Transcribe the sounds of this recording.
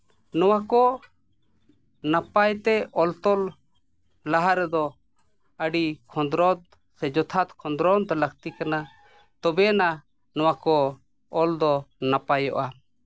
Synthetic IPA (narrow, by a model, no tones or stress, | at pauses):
nɔwakɔ | napajt̪ɛɔlt̪ɔl | laɦaɾɛd̪ɔ | əɖikʰɔ̃nd̪ɾɔd̪ | sɛd͡ʒɔt̪ʰat̪kʰɔ̃nd̪ɾɔnd̪ɔləkt̪ikana | t̪ɔbɛna | nɔwakɔ | ɔld̪ɔnapajɔʔa